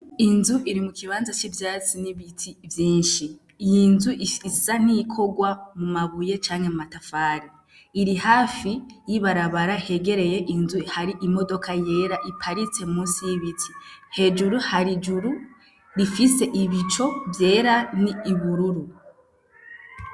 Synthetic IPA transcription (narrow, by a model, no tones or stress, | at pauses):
inzuʔiɾimukʰiβaːnzat͡ʃivjaːt͡siniβitʰivjiːnʃi | jinzuʔiisan̥ikʰo̞ɡwamumaβuje̞t͡ʃaːŋhemumatafaːɾiː | ɾihaːfijiβaɾaβaɾahe̞ɡe̞ɾe̞je̞ʔinzuihaɾiʔimo̞do̞kʰaje̞ːɾaʔipʰaɾit͡se̞muːsijiβitʰi̥he̞d͡ʒuɾuhaɾid͡ʒuɾu | ɾifise̞ʔiβit͡ʃo̞vje̞ːɾaniːβuɾuɾu